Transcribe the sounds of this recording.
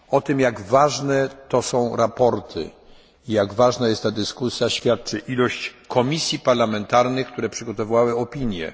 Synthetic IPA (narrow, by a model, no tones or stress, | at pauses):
ɔt̪ɘmjaɡvaʐnɛt̪ɔsɔ̃w̃ɾapɔɾt̪ʰɘ̰ | ijaɡvaʐnajɛst̪ːad̪ɘskusʲjaɕfʲjat̪̚t͡ʂɘʔilɔɕt͡ɕkʰɔmʲisʲjipaɾlamɛnt̪aɾnɘxk̚t̪uɾɛpʂɘɡɔt̪ɔvvawɘɔpʲiɲjɛ̰